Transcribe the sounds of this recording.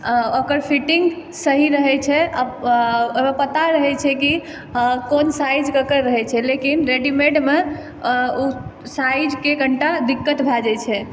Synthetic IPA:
okəɾpʰiʈiŋɡ | səɦiɾəɦɛt͡ʃʰɛa | omepət̪aɾəɦɛt͡ʃʰɛki | konsajd͡ʒkəkəɾːəɦɛt͡ʃʰɛlekinɾeɖimeɖme | osajd͡ʒkeɡʱəɳʈad̪ikːət̪bʱad͡ʒɛt͡ʃʰɛ

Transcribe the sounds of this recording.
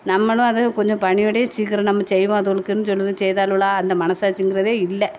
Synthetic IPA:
nɐmːɐɭũɐðɯkɔɲd͡ʒõpɐɳɪjoɽɐjet͡ʃiːkːɐɾɐnɐmːɐsɛjʋõːɐðɯɣɐɭɯkːenːɯsɔlːɐðɯt͡ɕɛjðaːluɭaːɐnd̪ɐmɐɳɐsaːt͡ʃːiŋɡɪrɐðeːɪlːɐ

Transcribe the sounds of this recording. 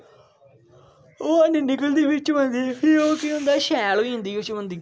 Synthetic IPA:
oːanẽːnɪkəld̪iːbɪt͡ʃʋə̃nd̪iːpʰɪɾoːkɪʊ̃nd̪aːʃɛːlːiːɦʊ̃nd̪iːot͡ʃʋə̃nd̪iː

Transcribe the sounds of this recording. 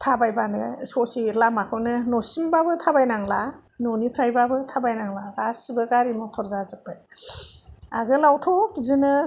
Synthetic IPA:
tʰabajbanɯsɔsilamakʰɯwnɯnɔsimbabɯtʰabajnaŋla | nɔnipʰɾajbabɯtʰabajnaŋlaɡasɯbɯɡaɾimɯtʰɔɾzazɯk̚b̥aj | a̰ɡɯlawtʰɔpzɯnɯ

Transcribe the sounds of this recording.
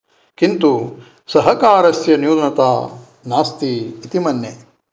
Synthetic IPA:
kint̪u | sɐɦɐkaːɾɐsjɐnjuːd̪nɐt̪aː | naːst̪iːt̪imɐnːe

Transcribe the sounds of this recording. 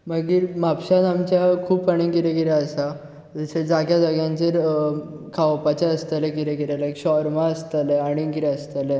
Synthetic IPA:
maɡiːɾmapɕanamt͡ɕjakʰuːpaɽ̃ĩŋɡiɾekiɾaəsa | d͡zəɕed͡zaɡjad͡zaɡjãɲt͡ɕeɾ | kʰaʋpat͡ɕaəst̪əlekiɾekiɾelakɕɔɾmãəst̪əleaɽ̃iŋkiɾeəst̪ale

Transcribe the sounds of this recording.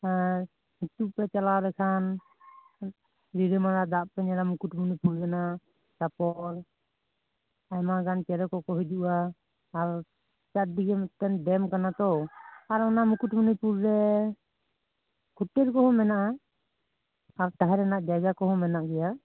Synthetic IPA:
aɾ | hit̪upɛt͡ʃalaɾɛkʰan | ɾiɾɛmanad̪aʔpɛɲaɾamukuʈmunupuɾɾɛna | sapɔl | ajmaɡant͡ʃɛɾɛkɔkɔɦɛd͡ʒuʔaː | ɾ | t͡ʃad̪iɛmt̪ɛnɖɛmkanat̪ɔaɾɔnamukuʈmunipuɾɾɛ | kʰuʈɛɾkɔɦɔmɛnaʔa | aɾt̪aɦɛɾɛnaʔd͡ʒajd͡ʒakɔɦɔmɛnaʔɡɛja

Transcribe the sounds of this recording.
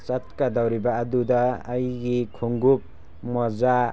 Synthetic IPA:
t͡ʃat̚kadawɾibaːdudaːjɡikʰuŋɡup̚ | mɔza

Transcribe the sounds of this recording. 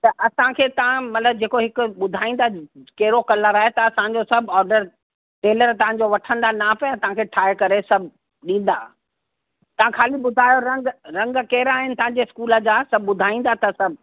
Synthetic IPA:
t̪ɐʔɐsãkʰeːt̪ɐʋ̤ãmɐt̪ləb̚d͡ʑeːkoɦɪkʊɓʊd̪ʱaːĩːn̆d̪akɐɦɪɾokɐləɾaːɦet̪ɐɐsãɲ̆d͡ʑosɐbʱɔːɾɖəɾ | ʈeːləɾt̪ɐʋ̤ãɲd͡ʑoʋɐʈʰə̃nd̪anapɐjãt̪ɐʋ̤ãkʰeʈʰaːɪkɐɾesɐbʱ | ɗĩːn̆d̪a̰ː | t̪ɐʋ̤ãkʰaːliɓʊd̪ʱaːjoɾɐ̃ŋɡɾɐ̃ŋɡkɐɦɪɾaːɦɪnɪ̆t̪ɐʋ̤ãɲd͡ʑeɪskuːləd͡ʑaːsɐb̚ʱːʊd̪ʱaːĩːn̆d̪at̪ʰɐsɐbʱ

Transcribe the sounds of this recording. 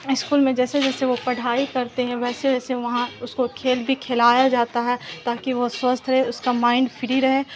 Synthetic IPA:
ɪskuːlmẽd͡ʒɛːsed͡ʒɛːseʋopɐɽ̤aːikɐɾt̪eɦɛ̃ʋɛːseʋɛːseʋɐɦãʊskokʰeːlbʱikʰeːlaːjad͡ʒaːt̪aɦɛt̪aːkiʋoswɐst̪ʰɾɐɦeʊskamãːɪ̃ɳɖfʰɪɾiɾɐɦeː

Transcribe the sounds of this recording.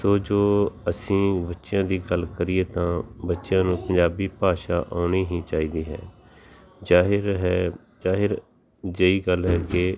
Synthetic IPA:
soːd͡ʒoːəsĩːbətːʃɪjãːd̪iːɡəlkəɾiːeːt̪ãːbətːʃjãːnũːpə̃ɲd͡ʒaːbiːpaːʃaːʔoːniːɦĩːt͡ʃaːiːd̪iːɦɛ̰ː | d͡ʒaːɦɾɦɛː | d͡ʒaːɦɪɾ | d͡ʒeiːɡəlɦɛːkeː

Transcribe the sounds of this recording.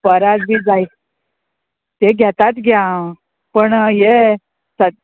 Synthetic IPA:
pəɾad͡zbʱiːd͡zai | t̪eɡʱjat̪at̪ɡʱjã | pəɳje | sə

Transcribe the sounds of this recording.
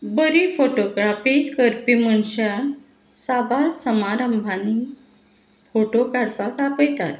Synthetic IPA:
bəɾifoʈoɡɾafikəɾpiməɳɕa | sabaɾsəmaɾəmbʱani | foʈokaɽpakapəjt̪at̪

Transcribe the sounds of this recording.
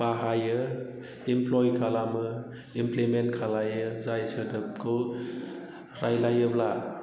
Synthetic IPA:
baɦajɯ | implɔjkʰalamɯ | implimentkʰalajɯzajsɯdɯp̚kʰɯ | ɾajlajɯbla

